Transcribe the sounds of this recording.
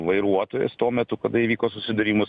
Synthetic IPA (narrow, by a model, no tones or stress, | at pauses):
ʋɐɪɾuɔt̪oːjḛst̪uɔmʲɛt̪ʊkɐd̪ɐiʋʲiːkoːsʊsʲɪd̪ɐɾʲiːmʊs